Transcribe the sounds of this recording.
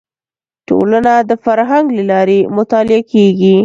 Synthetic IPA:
ʈo̰lanad̪əfaɾɦaŋɡləlɑɾemʊt̪ɑlɪakʰeɡi

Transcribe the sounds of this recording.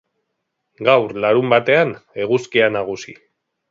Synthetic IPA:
ɡawɾlaɾumbat̪e̞ane̞ɣuskianaɣ̞usi

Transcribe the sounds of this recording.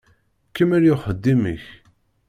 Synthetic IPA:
kːəmæɾjʊχəd̪ːimə̰ç

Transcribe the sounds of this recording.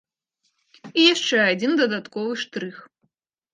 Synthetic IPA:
ijaʂt͡ʂɛad͡zʲind̪ɐd̪at̪kɔvɨʂt̪ɾɨx

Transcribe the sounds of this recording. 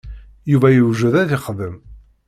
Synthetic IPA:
juvæjəwʒuðæðɪχðəm

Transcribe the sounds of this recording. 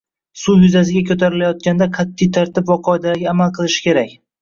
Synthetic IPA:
sujʊzasɪɡʲakʲʰɵt̪ʰaɾɪlajɒt̪̚kʲand̪aqʰɑt̪ʰːɪjt̪ʰaɾt̪ʰɪpvaqʰɒed̪alaɡʲaːmalˠqʰɨlˠɪʃɪ̥kʲʰe̞ɾakʲ

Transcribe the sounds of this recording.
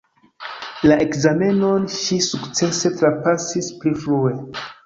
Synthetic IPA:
laʔe̞kzame̞no̞nʃisukt͡se̞se̞tɾapasisplifɾue̞

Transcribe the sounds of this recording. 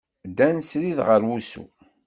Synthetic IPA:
d̪ænsɾiðʁəɾwusṵ

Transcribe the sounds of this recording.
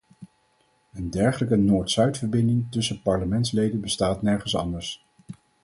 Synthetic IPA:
əndɛɹχələkənoːɹtsœɥtfəɹbɪndɪŋtɵsəpɑɹləmɛntslejdənbəstaːtnɛɹχənsɑ̰ndəɹs

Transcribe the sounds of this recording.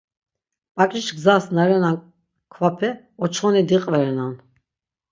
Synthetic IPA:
pʼakʼit͡ʃɡzasnaɾɛna | kʰvapʰɛ | ɔt͡ʃʰχɔnid̪iqʼvɛɾɛnan

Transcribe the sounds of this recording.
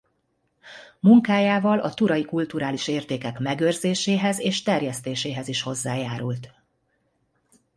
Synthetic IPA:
muŋkaːjaːvɒlʔɒt̪uɾɒjikult̪uɾaːliʃeːrt̪eːkɛkmɛɡørzeːʃeːɦɛzeːʃt̪ɛrjɛst̪eːʃeːɦɛziʃho̞zːaːjaːɾult̪

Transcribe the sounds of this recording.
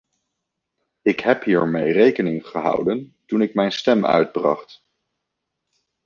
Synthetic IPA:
ɪkɦɛpɦiːɹmejrejkənɪŋχəɦɑ̰wdəntunɪkmɛjnstɛmœ̰ɥd̚brɑ̰χt

